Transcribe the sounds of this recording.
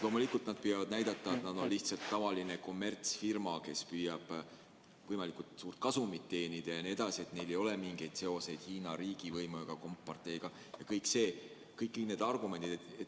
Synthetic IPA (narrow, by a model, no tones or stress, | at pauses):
lo̞mulikult̪nɑd̪̚pyjɑvɑd̪̥̚næjd̪̥ɑt̪ˑːɑet̪nɑd̪̥o̞nliht̪sɑlt̪ːɑvɑline̞ko̞mːe̞rt̪sfirmɑke̞spyːjɑb̥ | vɤjmɑlikˑult̪suːrt̪̚kɑsumit̪ːe̞ːnid̪̥ɑjɑnie̞d̪ɑsie̞t̪ne̞jle̞jo̞lemiŋɡ̥e̞jd̪̥se̞o̞se̞jd̪̥hiːnɑɾiːɡ̥ivɤjmuɡ̥ɑko̞mpːɑrt̪ˑe̞jɡ̥ɑ | jɑkɤjkse̞ː | kɤjkːine̞d̪ɑrɡ̥ume̞nd̪id̪et